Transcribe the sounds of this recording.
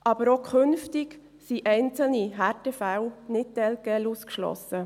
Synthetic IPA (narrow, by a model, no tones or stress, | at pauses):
ʔɑb̥əɾokʰχønftɪɡ | siʔɛɪnt͡sl̩niɦæɾtəfæwnɪt̚tɛlkɛluːskʃlɔ̰sə